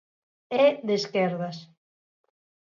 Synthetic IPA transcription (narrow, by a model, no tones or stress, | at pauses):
ɛðeskɛɾðas